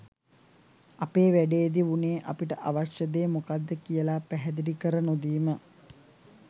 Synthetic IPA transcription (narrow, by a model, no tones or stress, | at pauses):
apeːʋæɖeːd̪iʋuneːʔapiʈəʔaʋaʃjəd̪eːmukad̪ːəkijəlapæɦɛd̪iɾikəɾənod̪iːmə